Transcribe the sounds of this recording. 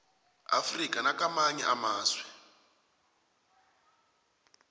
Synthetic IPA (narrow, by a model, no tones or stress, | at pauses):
a̰frikanakamaɲɛʔamaːswɛ